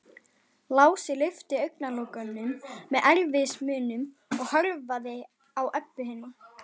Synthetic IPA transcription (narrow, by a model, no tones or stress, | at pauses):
laːwsɪlɪft̪ɪœɥknaloːwkœnːʏmːɛðʔɛɾvɪsmʏːnʏm | ɔɣhœɾvaðɪ | awʔœpːʏɦɪːnːa